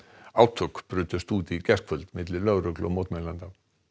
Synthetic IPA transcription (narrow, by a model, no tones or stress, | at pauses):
awt̪ʰʊkb̥ɾʏːt̪ʏst̪uːt̪icɛskfʏlt̪mɪt̪lɪlœɾʏklɔ̰mɔt̪mɛlant̪a